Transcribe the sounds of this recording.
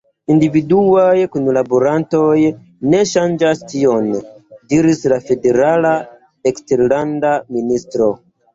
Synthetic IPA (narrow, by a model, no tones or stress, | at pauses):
individuajkunlaboɾanto̞j | ne̞ʃand͡ʒastʰio̞ndiɾislafe̞de̞ɾala | ekste̞ɾlandaministɾo̞